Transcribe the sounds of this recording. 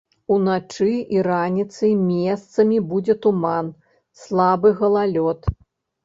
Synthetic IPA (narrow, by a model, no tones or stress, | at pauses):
unat͡ʂɨiɾanʲit̪sɨjmʲɛst̪sɐmʲibud͡zʲɛt̪uman | slˠabɨɣɐlˠalʲɔt̪